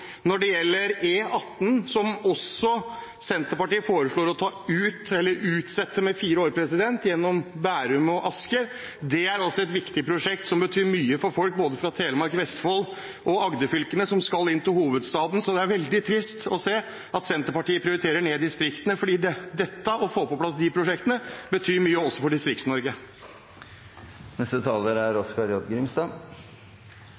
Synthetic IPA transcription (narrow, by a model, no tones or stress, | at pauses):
nɔɖɛjɛlːəɾeːɑt̪ːn̩sɔmɔsɔ | sɛnt̪əɾpɑʈiːəfoːɾəʂɭoːɾɔt̪ʰɑːʉːt̪ɛlːəɾʉːt̪sɛt̪ːəmɛfiːɾəoːɾpʰɾɛsɪd̪ɛnt̪jɛnːɔmbæːɾʉmɔʔɑskə | d̪ɛæɾɔsːɔɛt̪ʋɪkt̪ɪpʰɾʊʂɛk̚t̪sɔmbət̪ʰyːɾmyːəfɔɾfɔlk̚boːd̪əfɾɑt̪ʰeːləmɑɾkʋɛst̪fɔlː | ʔɔɑɡd̪əfʏlkənəsɔmskɑlːɪnt̪ɪlhuːʋəd̪st̪ɑːd̪n̩sɔd̪ɛæɾʋɛld̪ɪt̪ʰɾɪst̪ɔseː | ɑt̪sɛnt̪əɾpɑʈiːəpʰɾɪʊɾɪt̪ʰeːɾəɳeːd̪ɪst̪ɾɪkt̪ənəfɔɖiːd̪ɛd̪ɛt̪ːəʔɔfoːpɔpʰlɑsd̪ɪpʰɾʊʂɛk̚t̪ənəbət̪ʰyːɾmyːəɔsːɔfɔɖɪst̪ɾɪktsnɔɾɡə | nɛst̪ət̪ʰɑːləɾæɾɔskɑɾjɔd̪ɡɾɪmst̪ɑ